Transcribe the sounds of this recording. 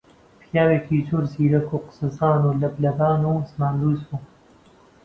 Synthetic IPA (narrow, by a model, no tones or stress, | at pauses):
pʰjaːweːkiːzoːɾziːɾɐkʰuqɨ̥sɨzaːnuːlɐblɐbaːnusmaːnɾuːsu